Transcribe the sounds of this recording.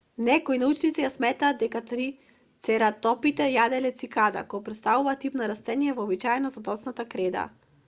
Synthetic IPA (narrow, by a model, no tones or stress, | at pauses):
nɛkoinaut͡ʃnit̪sijasmɛt̪aːd̪d̪ɛkat̪ɾi | t̪sɛɾat̪ɔpit̪ɛjad̪ɛlɛt̪sikad̪a̰kɔɔpɾɛt̪st̪avuvat̪ipnaɾast̪ɛnijɛvɔːbit͡ʃaɛnɔzad̪ɔt̪snat̪akɾɛd̪a̰